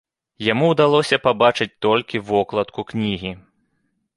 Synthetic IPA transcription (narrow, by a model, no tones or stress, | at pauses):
jamuwd̪alˠɔsʲɐpabat͡ʂɨt͡sʲt̪ɔlʲkʲivɔklˠɐt̪kuknʲiɣʲi